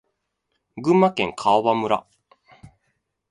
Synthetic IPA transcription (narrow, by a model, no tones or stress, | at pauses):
ɡɯ̟̃mːakẽ̞ŋkʰaoβamɯ̟ɾa̰